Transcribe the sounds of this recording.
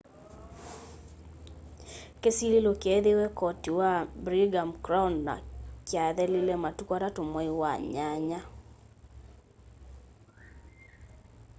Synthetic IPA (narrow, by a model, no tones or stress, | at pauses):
kesililokɛðewɛkɔtiwabɾiɡamkɾawnːa̰kjaðɛlilɛmatukɔɾatomɔiwaɲaɲa